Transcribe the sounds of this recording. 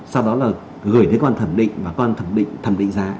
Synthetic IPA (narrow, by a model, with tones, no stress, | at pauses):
sa˧wɗɔ˨˦laː˨˩ | ɣɨ˨˩əjɗe˨˦kːnt̪ʰə˧˩mɗḭ̈˧˨ŋ̟vaː˨˩kɔ˨˧˦ʔa˧nt̪ʰə˧˩mɗḭ̈˧˨ŋ̟t̪ʰə˨˧˩mɗḭ˧˨ŋ̟zaː˧˩